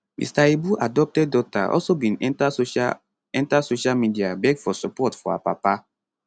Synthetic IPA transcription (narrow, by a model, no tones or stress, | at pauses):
mḭstaebuʔadɔp̚tɛd̚dɔta̰ʔɔ̰lsobĩnɛa | ɛ̃ntasoʃalmidiabɛɡfɔsɔpɔtfɔ̰a̰papa